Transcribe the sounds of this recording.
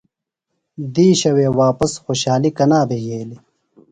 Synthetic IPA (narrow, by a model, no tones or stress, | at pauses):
d̪iːɕɐweːwaːpɐsxoːɕaːlikɐnaːbeɡʱeːli